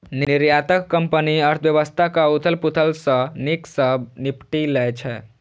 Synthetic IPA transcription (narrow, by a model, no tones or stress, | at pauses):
nniɾjat̪əkːəmpəniəɾt̪ʰbjəβəst̪ʰakaut̪ʰəlput̪ʰəlsə̃niksəbnipʈilɛt͡ʃʰɛ